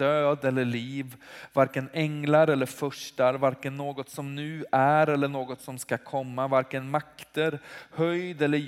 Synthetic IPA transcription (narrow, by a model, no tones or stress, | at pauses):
d̪øːd̪ɛlːəɭiːvvaɾkənɛŋlaɾɛlːəɾfœʂʈaɾvaɾkənːoːɡɔt̪sɔmnʉ̟ːæɾɛlːəɳoːɡɔt̪sɔmskakʰɔmːavaɾkənmakt̪əɾhœjd̪ɛlːə